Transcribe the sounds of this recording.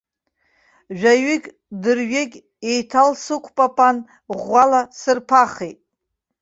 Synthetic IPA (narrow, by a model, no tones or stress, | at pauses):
ʒᶣaɥɪkʲʼ | dɨrɥeɡʲ | ejtʰalsɨkʷʰʼpʼapʰʼan | ʁʷːalasɨrpʰaχejtʼ